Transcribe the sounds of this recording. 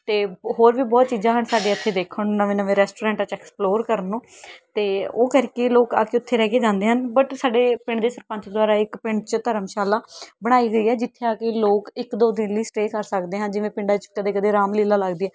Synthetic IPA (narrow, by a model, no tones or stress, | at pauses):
t̪eːɦoːɾʋiːbɔːt̪̚t͡ʃiːzaːɦəɳsaːɖeːət̪ʰːeːd̪eːkʰəɳnəʋẽːnəʋẽːɾɛːsʈoːɾãːɳʈaːt͡ʃɛːksploːɾkəɾənũːt̪eːoːkəɾkeloːka̰ːkeʊt̪ʰːeːɾɛːkeːd͡ʒãːnd̪eːɦənbəʈsaːɖeːpɪɳd̪eːsəɾpə̃nt͡ʃd̪ʊaːɾaːɪkpɪɳt͡ʃt̪əɾəmʃaːlaːbəɽ̃aːiːɡəiːɛːd͡ʒɪt̪ʰːeːaːkeːloːkɪkd̪oːd̪ɪnliːsʈeːkəɾsəkd̪eːɦãːd͡ʒɪʋẽːpɪ̃ɳɖaːt͡ʃkəd̪eːkəd̪eːɾaːmliːlaːləɡd̪iːɛː